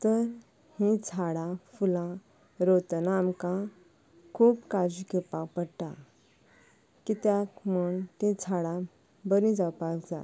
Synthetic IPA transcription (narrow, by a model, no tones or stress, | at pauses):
t̪əɾ | hĩt͡sʰaɽãfulã | ɾot̪naːmkã | kʰuːpkad͡ʑikepãpəɽʈ̪a | kit̪jakmuɳt̪ĩt͡sʰaɽã | bəɾĩd͡zapakd͡za̰